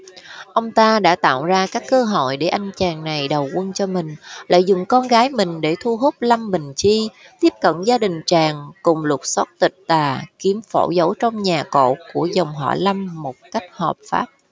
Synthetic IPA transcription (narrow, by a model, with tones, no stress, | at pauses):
ʔə˧wŋ͡mt̪aː˧ɗa̰ː˧˥t̪a̰ː˧˨wzaː˧kaː˦˥kːəː˧ɦo̰˧˨jɗe˧˩ʔa˧jŋ̟t͡ɕaː˨˩ŋna˨˩jɗə˨˩wʔwə˧nt͡ɕɔ˧mï˨˩ŋ̟la̰ː˧˨jzʊ̰˨˩ŋ͡mkɔ˧nɣaː˨˦jmï˨˩ŋ̟ɗe˧˩t̪ʰu˧ɦu˦˥p̚la˧mɓï˨˩ŋ̟t͡ɕi˧ | t̪i˦˥əp̚kə̰˧˨nzaː˧ɗï˨˩ŋ̟t͡ɕaː˨˩ŋkʊ˨˩ŋ͡mlə˨˩t̚sɔ˦˥t̚t̪ï˨˩k̟̚t̪aː˨˩ki˨˦əmfo̰˧˩zə˧˦wt͡ɕɔ˧wŋ͡mɲaː˨˩ko̰˧˨ku˧˩əzə˨˩wŋ͡mɦɔ̰˧˩la˧mːo˨˩t̚ka˦˥jk̟̚hɔ˨˩p̚fa̰ː˦˥p̚